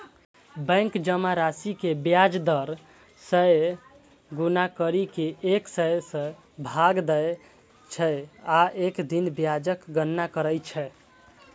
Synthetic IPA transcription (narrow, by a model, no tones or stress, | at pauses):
bɛ̃ŋkd͡ʒəmaɾasikebjad͡ʒd̪əɾ | səj | ɡunakəɾikeʔeksəsə̃ | bʱaɡd̪əj | t͡ʃʰɛaʔekd̪inbjad͡ʒəkɡənːakəɾəjt͡ʃʰɛ